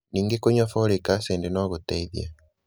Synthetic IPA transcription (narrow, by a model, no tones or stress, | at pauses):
niːŋɡekoɲɔfolekaseːndenɔɣoteiðja̰